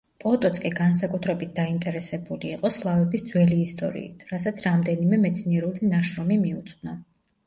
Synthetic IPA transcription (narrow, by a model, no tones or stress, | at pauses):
pʼɔt̪ʼɔt̪skʼiɡans̬akʼut̪ʰɾɛbit̪̚ʰd̪aint̪ʼɛɾɛsɛbuliːqʼɔslˠavɛbisd̪zwɛliːst̪ʼɔ̰ɾḭḭt̪ʰɾasat̪sʰɾamd̪ɛnimɛmɛt̪sʰniɛɾulinaʃɾɔmimiut̪sʼna